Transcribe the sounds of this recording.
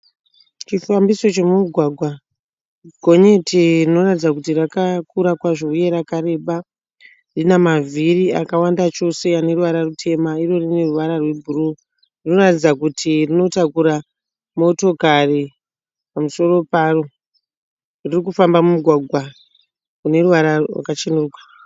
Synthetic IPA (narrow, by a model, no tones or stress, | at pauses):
t͡ʃifambiso̞t͡ʃe̞mumuɡʱwaɡʱwa | ɡʱo̞ɲe̞tʰerino̞ratid͡zakutirakakuɾakwaʐoujeɾakaɾe̞ːɓa | rinamaviria̰kawandat͡ʃo̞se̞ane̞ruʋaɾarutʰe̞mairo̞rine̞ruʋaɾarwe̞bʱuru | rino̞ratid͡zakutʰirino̞takuɾa | mo̞to̞kari | pamuso̞ro̞paro̞ | ririkufambamumuɡʱwaɡʱwa | kune̞ruʋaɾawa̰kat͡ʃenurukḁ